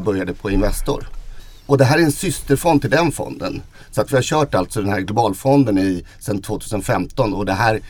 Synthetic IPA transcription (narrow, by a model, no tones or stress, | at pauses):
bœɾjad̪əpʰɔɪnvɛst̪ʊ̰ɾ | ɔd̪ɛɦæːɾæɾɛnsʏst̪əɾfɔnd̪t̪ʰːɪld̪ɛnfɔ̰nd̪ə̰n | sɔat̪vɪhaɕœːʈalt̪sɔd̪ɛnhæːɾɡlʊbɑːlfɔnd̪ənɪ | sɛnt̪ʰv̥oːt̪ʰʉːsənfɛmt̪ɔnɔd̪ɛɦæːɾ